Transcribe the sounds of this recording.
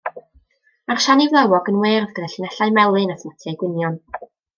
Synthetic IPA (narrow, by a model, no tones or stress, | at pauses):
ar̥ʃanivlˠɛwɔɡənweːrðɡəðaɬinɛɬajmɛlˠɨnaθmatʰiajɡwɪnjɔn